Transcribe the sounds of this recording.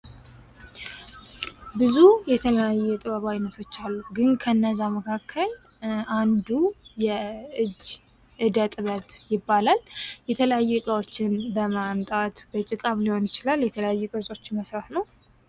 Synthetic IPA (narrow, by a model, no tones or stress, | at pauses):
bɨzujɛt̪ʰələjajːɛt̪ʼɨβəβajnət̪ʰo̞t͡ʃːalːuɡɨnkʰəɨnːəzːaməkʰakʰːəl | ʔand̪ujɛʔɨd͡ʒː | ʔɨd̪ət̪ʼɨβəβjɪbːalaljɛt̪ʰələjajːuɨkʼawot͡ʃːɪnbəmamt̪ʼat̪bət͡ʃʼɪkʼamliho̞njɪt͡ʃɪlaljɛt̪ʰələjajːukʼɨɾsʼo̞t͡ʃːməsɾat̪nəw